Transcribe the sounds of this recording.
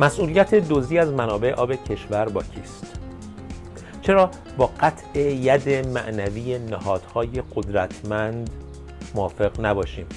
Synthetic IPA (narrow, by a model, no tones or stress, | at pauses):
mæsʔuːlijæt̪ʰe̞d̪ozd̪iːæzmænɒːbe̞ʔeʔɒːbe̞cʰe̞ʃvæɾbɒːcʰiːst̪ | t͡ʃʰe̞ɾɒː | bɒːɢæt̪ʰʔejæd̪e̞mæ̰ʔnæviːjenæhɒːd̪̥hɒːje̞ɡod̪ɾæt̪ʰmænd̪ | moɒːfe̞ɣnæbɒːʃiːm